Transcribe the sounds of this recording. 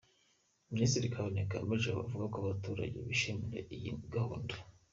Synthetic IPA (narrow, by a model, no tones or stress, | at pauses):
ministiɾikʰaβoneka̰meʒeβa̰vuɡakoaβatuːɾa̰ɟḛβiʃemiɾḛijḭɡahonda